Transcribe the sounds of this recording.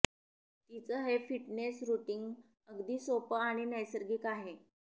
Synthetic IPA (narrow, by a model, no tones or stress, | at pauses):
t̪it͡səɦefiʈnesɾuʈiŋɡ | əɡd̪iːsopəaɽ̃inəjsəɾɡiːkaɦe